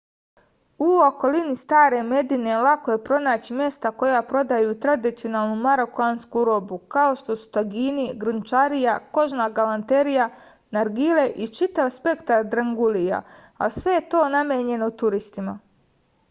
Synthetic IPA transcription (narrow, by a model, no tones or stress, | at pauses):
uo̞ko̞linist̪aːɾe̞me̞d̪ine̞lako̞je̞pɾo̞naːt͡ɕimje̞st̪ako̞japɾo̞d̪ajuːt̪ɾad̪it̪io̞naːlˠnumaɾokuaːnskuɾo̞ːbukao̞ʃt̪o̞su̥t̪aɡiːniɡɾɨnt͡ʃaɾijako̞ʒnaɡalant̪eɾija | naɾɡile̞ʔit͡ʃit̪aʋspe̞kt̪aɾd̪ɾaŋɡulija̰ | asʋe̞jet̪o̞ːnamjeːɲe̞not̪uɾist̪ima